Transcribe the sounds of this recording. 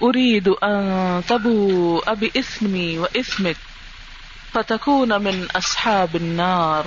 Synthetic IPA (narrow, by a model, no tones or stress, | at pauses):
ʔʊɾiːd̪ʔant̪ˤɑbuːʔabiʔɪθmiwɪʔɪθmɪk̚ | fat̪akuːnmɪnʔɑsˤħɑːbɪnːɑːɾˤ